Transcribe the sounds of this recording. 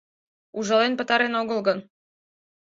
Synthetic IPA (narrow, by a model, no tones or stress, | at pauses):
uʒɑlenpə̆t̪ɑɾenoɣəlɡən